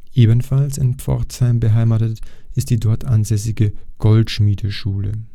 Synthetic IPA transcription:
ʔeːbənfalsɪnpfɔ̰ɐtshaɪmbəɦaɪmaːtətʔɪstd̥iːdɔɐtʰʔanzɛsɪɡəɡ̥ɔltʃmiːdəʃuːlə̰

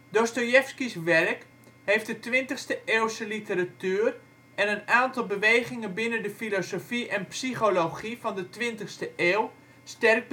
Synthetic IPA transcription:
dostojɛfskisʋɛrk | hejfdətʋɪntəxstəʔeːlˠsəlitəratyːr | ʔɛnənaːntɑlˠbəʋejχɪŋənbɪnəndəfilosofiʔɛnpsiχoloχifɑndətʋɪntəxstəʔeːlˠ | stɛrk̚b

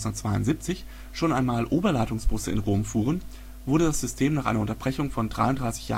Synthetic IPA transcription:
nʊnətt͡sv̥aɪʊ̰ntz̥iːp̚t͡sɪç | ʃoːnʔaɪnmaːlʔoːbɐlaɪtʊŋsb̥ʊsəɪ̰nʁoːmfuːʁ̞ən | vʊɐdədasz̥ʏstʰeːmnaːχʔa̰ɪnɐʊntɐbʁɛçʊŋfɔndʁa̰ɪʊntd̥ʁaɪsɪ̥çja̰ː

